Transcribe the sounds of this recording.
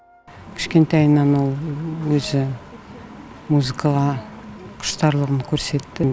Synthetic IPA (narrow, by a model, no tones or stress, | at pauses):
kʲʰɪ̥ʃkʲe̞nt̪ɑjnːɑnwo̞lˠwɵzɪ | muzɨkʰɑlˠɑ | qʰʊ̥ʃt̪ɑɾlˠəʁənkʲʰɵɾse̞t̪ːɪ